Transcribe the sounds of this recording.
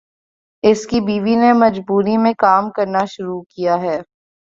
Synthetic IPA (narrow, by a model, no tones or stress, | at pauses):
ɪskibiːʋinemɐd͡ʒbuːɾimẽkaːmkɐɾnaʃʊɾukijaɦɛː